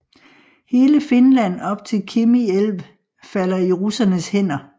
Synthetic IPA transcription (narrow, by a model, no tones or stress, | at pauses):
he̝ːləfe̝nlæn̰ɒ̽b̥̚t͡sʰe̝lkʰemielʋ | fælɐiʁusɐnəshen̰ɐ